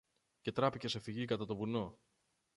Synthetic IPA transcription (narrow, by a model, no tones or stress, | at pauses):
ce̞t̪ɾɐpice̞se̞fiʝikɐt̪ɐt̪o̞buno̞